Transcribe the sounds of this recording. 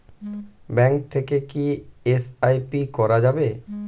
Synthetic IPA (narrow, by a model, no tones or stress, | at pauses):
bɛ̃ŋk̚t̪ʰekekiesajpikɔɾad͡ʑabe